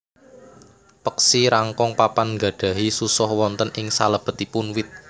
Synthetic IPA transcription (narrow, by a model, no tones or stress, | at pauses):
pəksiɾaŋkɔŋpapanŋɡa̤ɖ̥ä̤ɦisusɔhwɔnt̪ənɪŋsaləb̥ə̤t̪ipʊnwɪt̪̚